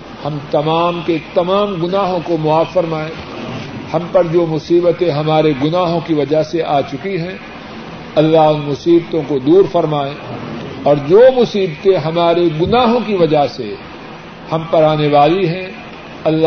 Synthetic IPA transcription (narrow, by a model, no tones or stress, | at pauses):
hɐ̃mt̪ɐmaːmket̪ɐmaːmɡʊnaːɦõkomʊaːbfɐɾmaːẽː | hɐ̃mpɐɾd͡ʒoːmʊsiːbət̪ẽɦɐmaːɾeɡʊnaːɦõkiʋɐd͡ʒaɦseʔaːt͡ʃʊkiɦɛ̃ | ɐlːaɦʊnmʊsiːbt̪õkod̪uːɾfɐɾmaːẽːɔːɾd͡ʒoːmʊsiːbt̪ẽɦɐmaːɾeɡʊnaːɦõkiʋɐd͡ʒasḛ | hɐmpɐɾaːneʋaːliɦɛ̃ | ɐlː